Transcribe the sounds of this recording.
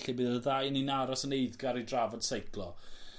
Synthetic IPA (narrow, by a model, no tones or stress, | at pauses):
ɬɪbɨːðəðajəninaɾɔsənejðɡaɾidravɔd̥sejkʰlˠɔ